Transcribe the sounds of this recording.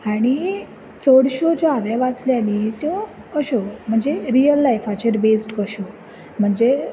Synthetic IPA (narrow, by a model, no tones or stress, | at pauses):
aɽ̃i | t͡sɔɽɕod͡ʑɔaʋjaʋat͡sljanit̪jɔ | əɕɔm̤əɳd͡zeɾijəlːajfat͡ɕeɾbesʈkəɕɔ | m̤əɳd͡ze